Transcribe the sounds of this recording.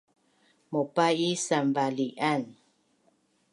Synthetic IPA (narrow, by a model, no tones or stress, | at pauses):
mɔpaisambalian